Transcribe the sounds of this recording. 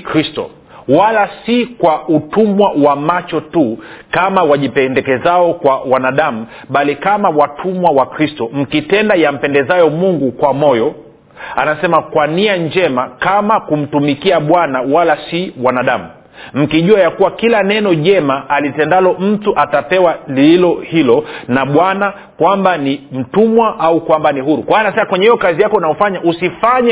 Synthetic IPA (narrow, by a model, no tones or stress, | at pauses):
kɾistɔ̰ | walasikwautumwawamat͡ʃɔtukamawaʄipɛndɛkɛzaɔkwawanaɗamu | ɓalikamawatʰumwawakɾistɔm̩kitɛndajam̩pɛndɛzajɔmuŋɡukwamɔjɔ | anasɛmakwaniaɲd͡ʒɛmakamakum̩tumikiaɓwanawalasiwanaɗamu | m̩kiʄuajakuwakilanɛnɔʄɛmaːlitɛndalɔm̩tuʔatapɛwaliilɔhilɔnaɓwana | kwambanim̩tumwaʔaukwambaniɦuɾukwaanasɛmakwɛɲɛijɔkazijakɔnaɔfaɲaʔusifaɲɛ